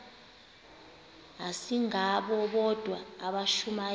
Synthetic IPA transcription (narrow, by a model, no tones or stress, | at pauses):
asiŋaɓɔɓɔd̥ʱwaːɓaʃuma